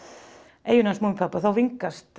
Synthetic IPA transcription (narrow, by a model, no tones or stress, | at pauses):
ʔeːjʏnasmumpʰapːaθawviŋkast̪